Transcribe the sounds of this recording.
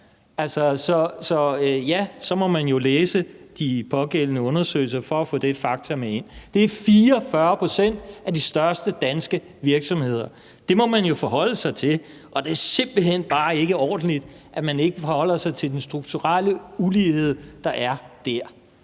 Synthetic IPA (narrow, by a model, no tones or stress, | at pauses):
ælsɒsɒ̽sɒ̽øjæsɒ̽mɒ̽mænjo̝leːsəd̥ipʰɒ̽ɡ̥el̰ənəɔ̽nɐsø̰ɪl̩s̬ɐfɒ̽æfɔ̰̽ːd̥efɑ̈ɡ̥̚t͡sʰɐmee̝n̰d̥e̝æɐfiːɐfɶɐpʰosen̰d̥ʔæd̥isd̥ɶɐsd̥əd̥ænsɡ̥ə | ʋiɐɡ̥sɒ̽mhe̝ð̞̰ˠɐ | d̥e̝mɒ̽mænjo̝fɒ̽ɦɒ̽l̰əsɑ̈ɪt͡sʰe̝l | ʔɒ̽d̥e̝æɐse̝m̰b̥l̩ɦen̰b̥ɑ̈ːe̝ɡ̥əɒ̰ːd̥n̩lid̥ | ʔæmæne̝ɡ̥əfɒhɒ̽l̰ɐsɑ̈ɪt͡sʰe̝ld̥ensd̥ʁuɡ̥t͡sʰuʁaləulihe̝ð̞̰ˠd̥ɑ̈ʔæɐd̥æɐ̰